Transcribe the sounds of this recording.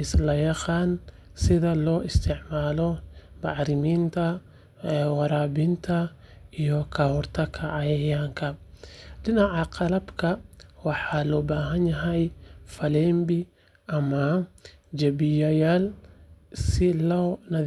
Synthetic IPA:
ʔɪslɐjɑqɑːn | sɪðɐlɔːʔɪst̪ʰɪʕmaːlɔmɑʕɾɪmiːnt̪ʰɐ | ɛwɑɾaːbɪnt̪ʰɐ | ijɔkʰɐhɔrt̪ʰɐkʰɐʕɑjɐjaːŋkʰɐɖɪnɑʕɑqɑlɐbkʰɐwɑħɑlɔːbaːɦɐnjɐɦɛjfɐlɛːmbɪ | ʔɐmɐd͡ʒɐbɪjɐjaːl | sɪlɔnɐ

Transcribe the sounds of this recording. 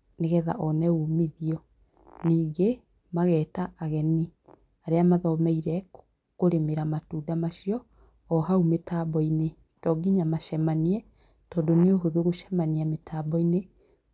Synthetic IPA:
neɣɛða̰ʔɔnɛumiðiɔ | niːɡe | maɣɛːtaʔaɣɛni | aɾeamaðɔmɛiɾɛ | koɾemeɾamatuːdamaʃiɔː | ɦaumetaːbɔine | tɔːɡiɲamaʃɛmaniɛ | tɔːdonioɦoðoɣoʃɛmaniametʰabɔine

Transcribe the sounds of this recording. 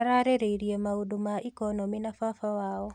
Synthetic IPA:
ɾaɾeɾeiɾjemaudumaʔikɔnɔminafafawaɔ

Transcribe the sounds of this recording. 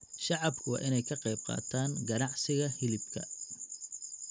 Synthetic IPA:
ʃɑʕɑbkʰʊwɑ̰ːʔɪnɛjkʰɐqɛjb̚qɑ̰ːt̪ʰaːŋɡɐnɑʕsɪɣɐhɪlɪbkʰɐ̰

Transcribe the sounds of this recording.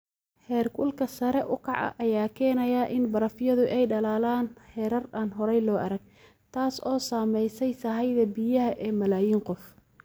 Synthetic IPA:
hɛːrkʰʊlkʰɐsɐɾɛʔʊkʰɑʕɐ̰ʔɐjaːkʰɛːnɐjaːʔɪnbɐɾɐfjɐðʊʔɛjɖɐlaːlaːnhɛːɾɐraːnɦɔɾɛjlɔːʔɐɾɐɡ | t̪ʰaːsɔːsaːmɛjsɛjsɐɦɐjðɐbɪjɐɦɐʔɛːmɐlaːjiːŋqɔf

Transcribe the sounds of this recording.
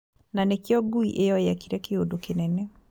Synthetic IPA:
nanekjɔɡuiʔejɔjakiɾɛkeodokenɛnɛ

